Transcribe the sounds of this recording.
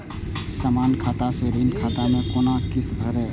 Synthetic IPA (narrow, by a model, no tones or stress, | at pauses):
samaːnkʰaːt̪aseɾiːnkʰaːt̪amẽkoːnakɪst̪bʱəɾɛː